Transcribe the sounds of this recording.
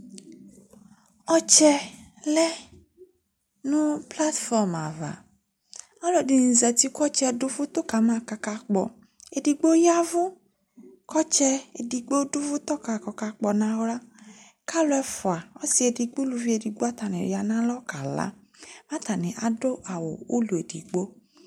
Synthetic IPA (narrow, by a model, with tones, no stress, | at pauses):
ɔ˦t͡ʃɛ˦lɛ˦ | nʊ̃˦pla˦tfɔ˦ma̰˨va̰˨ | ɔ˦lo˨di˨n̩˨zɛ˨t̪i˦kɔ˦t͡ʃɛ˧˨dʊ˦fu˦t̪o˦ka˨mã˦˨ka˧ka˧k͡pɔ̰˨ | e˨di˨ɡ͡bo˦ja˦vʊ˦ | kɔ˦t͡ʃɛ˧e˨di˨ɡ͡bo˦du˦vu˦tɔ˦ka˨kɔ˧ka˧k͡pɔ˨nã˧wɾa˦ | ka˦lʊ˧˦ɛ˧fu˨a˨ɔ˦si˨˧e˧di˧ɡ͡bu˦lu˧vi˦e˧di˧ɡ͡bo˦a˦ta˨nḭ˨ɾja˧nã˦lɔ˦ka˨la̰˨˦ | mã˦ta˨ni˨ʔa˨do˦ʔa˨wo̰˨o̰˦lu˨e˨dḭ˨ɡ͡bo˦